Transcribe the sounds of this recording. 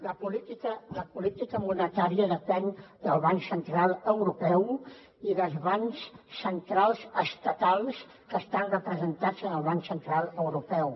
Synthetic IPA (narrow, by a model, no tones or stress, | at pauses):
ləpulit̪ikələpulit̪ikəmunət̪aɾiəðəpɛnd̪əlˠβaŋksənt̪ɾalˠəwɾupɛw | iðəlˠzβansːənt̪ɾalˠzəst̪ət̪alˠs | kəst̪anrəpɾəzənt̪ad͡zənəlˠβaŋsənt̪ɾalˠəwɾupɛw